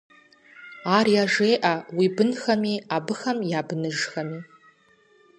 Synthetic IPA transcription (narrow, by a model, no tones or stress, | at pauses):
aːrjaʒeːʔawibɨnxɐmiabɨxɐmjaːbɨnɨʒxɐmi